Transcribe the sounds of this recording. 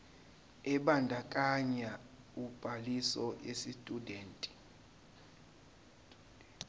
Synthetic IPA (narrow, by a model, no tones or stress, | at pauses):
ɛɓandʱakʼaɲa | ub̥ʱalisɔʔesistʼudeːntʼi̥